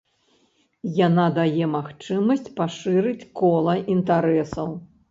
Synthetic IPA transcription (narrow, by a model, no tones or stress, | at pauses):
janad̪ajɛmaxt͡ʂɨmɐsʲt͡sʲpaʂɨɾɨt͡sʲkɔlˠɐʔint̪aɾɛsɐw